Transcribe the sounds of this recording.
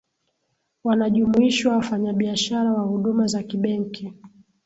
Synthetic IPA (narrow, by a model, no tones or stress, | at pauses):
wanaʄumuiʃwawafaɲaɓiaʃaɾawahuɗumazakiɓɛŋki